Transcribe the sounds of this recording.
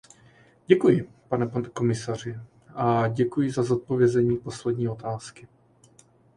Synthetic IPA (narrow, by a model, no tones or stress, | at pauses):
ɟɛkujɪ | panɛko̞mɪsar̝ɪ | ʔaɟɛkujɪzazo̞t̪̚po̞vjɛzɛɲiːpo̞slɛdɲiːo̞t̪aːskɪ